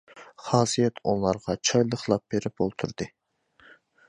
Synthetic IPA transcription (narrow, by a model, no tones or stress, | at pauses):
χɑːsijɛt̪ʰunlˠɑɾʁɑt͡ʃʰɑjlˠəχlˠɑp̚beɾɪp̚olˠt̪ʰuɾd̪ɨ